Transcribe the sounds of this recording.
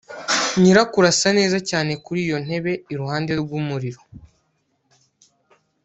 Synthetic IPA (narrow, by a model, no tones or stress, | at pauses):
ɲiɾakuɾasane̞ːzacaːne̞kuɾiːjo̞n̥he̞βe̞iɾuhaːnde̞ɾɡumuɾiɾo̞